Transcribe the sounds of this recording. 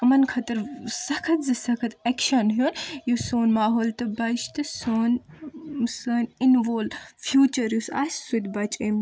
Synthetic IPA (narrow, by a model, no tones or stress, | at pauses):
ɐmɐnkʰɐt̪ɐɾsɐkʰɐt̪zɨsɐkʰɐt̪ekʃɐnɦjunjusoːnmaːɦoːlt̪ɐbɐʃt̪ɨsoːn | səːninʋoːlfʰjuːt͡ʃɐɾjusa̰ːsʲsut̪ʲbɐt͡ʃʼem